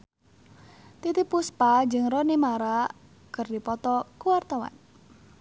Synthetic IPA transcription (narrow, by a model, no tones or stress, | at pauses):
t̪it̪ipuspad͡ʒɨŋrɔnimaɾa | kərdipɔt̪ɔkuwart̪ɔwa̰n